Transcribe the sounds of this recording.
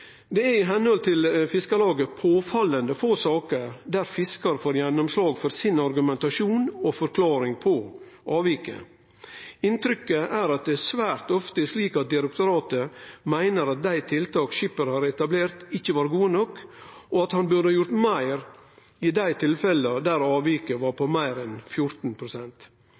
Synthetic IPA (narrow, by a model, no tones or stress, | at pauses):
d̪ɛæɾɪɦɛnhɔlt̪ʰɪlfɪskəlɑːɡəpʰoːfɑlːənd̪əfoːsɑːkəɾd̪æɾfɪskɑɾfoːɾjɛnːʊmslɑːɡfɔɾsɪnɑɾɡʉmɛnt̪ɑʂuːnofɔɾkʰlɑːɾɪŋpʰɔ | ʔɑːʋɪkə̰ | ɪnt̪ɾʏkːəʔæːɾɑt̪̚d̪ɛæsʋæːɾt̪ɔft̪əɛʂliːkɑt̪̚d̪ɪɾɛkt̪ʊɾɑːt̪əmæɪnəɾɑt̪̚d̪æɪt̪ʰɪlt̪ʰɑːkʃɪpəɾhɑːɾɛt̪ɑbleːɾt̪ɪçːəʋɑːɾɡuːənɔkːʔɔɑt̪hɑnbʉɾd̪əhɑːjʊɾt̪mæɪɾ | ɪd̪æɪt̪ʰɪlfɛləd̪æɾɑːʋiːkəʋɑːɾpʰɔmæɪɾɛnfjʊɾt̪n̩pʰɾʊsɛnt̪